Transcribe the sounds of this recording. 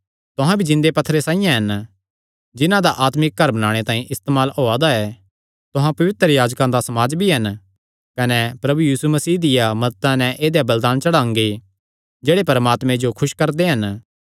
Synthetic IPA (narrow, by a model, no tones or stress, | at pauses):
t̪ʊɦãbʱid͡ʒɪ̃nd̪epɐt̪ʰːɾesãːijãɦɐn | d͡ʒɪnãd̪aʔaːt̪mɪk̚ɡɐɾbɐnaːɽ̃et̪ãːĩʔɪst̪eːmaːlɦoːad̪aɛ | t̪ʊɦãpɐʋɪt̪ɾjaːd͡ʒkãd̪asɐmaːd͡ʒbʱiɦɐn | kɐnɛpɾɐbujiːsumɐsiːd̪ɪjamɐd̪ət̪ãnɛ̃ʔeːd̪jabɐld̪aːnt͡ʃɐɽãːŋɡe | d͡ʒeːɽepɐɾmaːt̪mẽd͡ʒokʰʊʃkɐɾd̪eɦɐn